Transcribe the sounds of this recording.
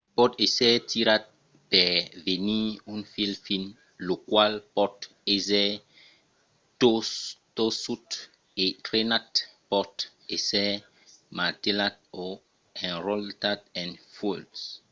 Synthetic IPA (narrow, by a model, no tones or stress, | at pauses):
pɔtesɛtiɾat̚ | pɛveniũnfilfin | lokwalpɔt | ezɛ | totosut | etɾenatpɔt | esɛ | matelat̚o | ɛ̃nɾɔltat̚ɛ̃nfulds